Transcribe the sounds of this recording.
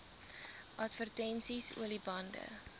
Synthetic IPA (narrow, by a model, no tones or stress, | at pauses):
ʔɐtvərtɛnsisṵəlibɐndə̰